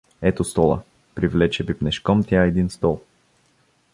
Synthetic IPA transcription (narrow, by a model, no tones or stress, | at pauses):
ɛt̪ost̪ɔlˠɐ̰ | pɾivlɛt͡ʃɛbipnɛʃkɔmt̪ʲjaɛd̪inst̪ɔlˠ